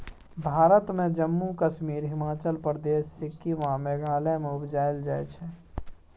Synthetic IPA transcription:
bʱaːɾət̪mẽd͡ʒəmːukəʃmiːɾɦɪmaːt͡ʃəlpɾəd̪eːʃːɪkːiʋãmeɡaːlɛmẽʊbd͡ʒaːjld͡ʒaːjt͡ʃʰɛ

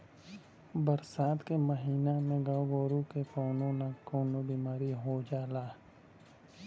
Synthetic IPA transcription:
bəɾsaːt̪keməɦiːnamẽɡaːwɡoːɾukekoːnõnakoːnobiːmaːɾiɦod͡ʒaːlaː

